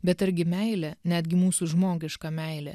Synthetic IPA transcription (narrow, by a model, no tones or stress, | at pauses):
bʲɛt̪ɐɾʲɡʲɪmʲɛɪlʲɛnʲæːd̪ʲɡʲɪmuːsuʒmoːɡʲɪʃkɐmʲɛɪlʲɛ̰